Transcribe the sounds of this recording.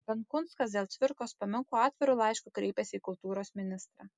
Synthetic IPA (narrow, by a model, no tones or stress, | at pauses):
bʲɛŋkʊnt̪skɐsd̪ʲeːlˠt̪ʲʋʲɪɾkoːspɐmʲɪŋkoɑːt̪ʲʋʲɪɾʊlˠɐɪʃkʊkɾʲɛɪpʲɛsʲiːkʊlˠt̪uːɾoːsmʲɪnʲɪst̪ɾɑː